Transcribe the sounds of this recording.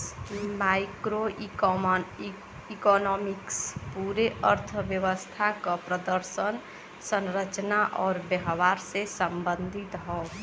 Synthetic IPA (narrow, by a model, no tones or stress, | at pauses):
maɪkɾo | ikɔnɔmikspuɾeʔəɾt̪ʰəʋjəʋəst̪ʰakəpɾəd̪əɾsən | sə̃nɾət͡ʃnaʔɔːɾbjəɦwaɾsesəmbə̃nd̪ʱit̪ɦɔː